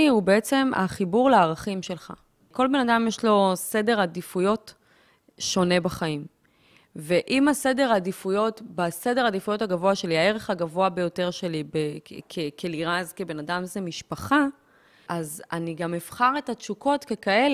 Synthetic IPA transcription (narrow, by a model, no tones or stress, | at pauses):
iubeet͡se̞ma̰χibuʁleaːʁaχimʃe̞lχa̰ | ko̞lbe̞nadamjeʃlo̞se̞de̞ʁadifujo̞t | ʃo̞ne̞baχaim | ve̞ʔimase̞de̞ʁadifujo̞tbase̞deadifujo̞taɡavoaʃe̞liae̞ʁeχaɡavo̞abe̞jo̞te̞ʁʃe̞libekʰekʰeliʁazkebe̞nadamzemiʃpaχa | ʔazaniɡamefχaʁe̞tat͡ʃuko̞tke̞kael